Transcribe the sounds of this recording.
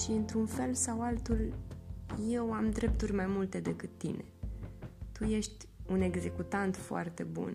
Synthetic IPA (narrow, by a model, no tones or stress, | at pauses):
ʃiɨnt̪ɾunfe̞lsawalt̪ulʲ | je̞wamd̪ɾe̞p̚t̪urʲmajmult̪e̞d̪e̞kɨt̪ːḭne̞̰ | t̪uje̞ʃt̪ʲ | une̞ɡze̞kut̪ant̪foa̰rt̪e̞̰bṵn